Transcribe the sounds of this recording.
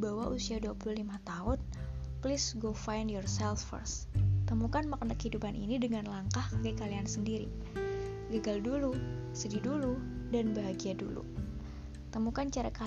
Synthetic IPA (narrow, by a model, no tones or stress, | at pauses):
bawaʔusiaduapululimat̪aɦʊn | plisɡofajndjɔrsɛlffə̰rs | t̪əmukanmakənakəhidupanʔḭnidəŋanlaŋkahkəkaliansəndiɾḭ | ɡəɡaldulusədiduludanbaɦaɡiadṵlṵ | t̪əmukant͡ʃaɾaka